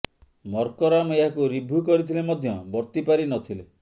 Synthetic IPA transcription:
mɔɾkɔɾameɦakuɾibʱukɔɾit̪ʰilemɔd̪ʱjɔbɔɾt̪ipaɾinɔt̪ʰile

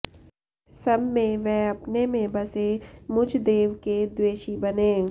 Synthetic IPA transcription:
sɐbmẽʋɛ̃ːɐpnemẽbɐsemʊd͡ʒʱd̪eːʋked̪weːʃibɐnẽː

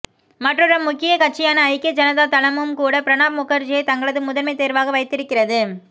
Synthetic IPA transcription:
mɐʈrɯrɐmʊkːɪjɐkɐʈ̚t͡ʃːɪjaːnɐːɪkːɐd͡ʒɐnɐðaːt̪ɐlɐmɯmkuːɽɐpɪɾɐnaːb̚mʊkːɐɾd͡ʒɪjɐɪt̪ɐŋɡɐɭɐðɯmʊðɐɾmɐɪt̪eːɾʋaːɣɐʋɐɪt̪ːɪɾɯkːɪrɐðɯ

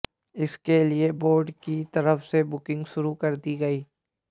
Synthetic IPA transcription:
ɪskelieboːɾɖkit̪ɐɾəfsebʊkɪ̃ŋɡʃʊɾukɐɾd̪iɡɐiː

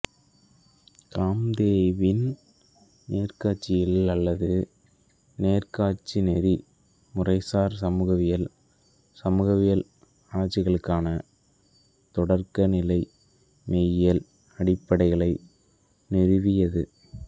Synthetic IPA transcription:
kaːmd̪eːʋɪn | neːrkaːʈt͡ʃɪjɪlɐlːɐðɯ | neːrkaːt͡ʃːinɛɾi | mʊrɐɪsaːɾsɐmuːɣɐʋɪjɐl | sɐmuɣɐʋɪjɐl | aːt͡ʃːɪɣɐɭɯkːaːnɐ | t̪ɔɽɐɾkɐnɪlɐɪ | meːjjɐl | ɐɽɪpːɐɽɐɪɣɐɭɐɪ | nɪɾɯʋɪjɐðɯ

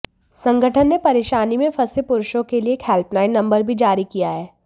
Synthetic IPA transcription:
sɐ̃ŋɡʱəʈʰənːepɐɾeːʃaːnimẽfʰɐsepʊɾʊʃõkelieːkhɛlpnaːɪnːɐ̃mbəɾbʱid͡ʒaːɾikijaɦɛː

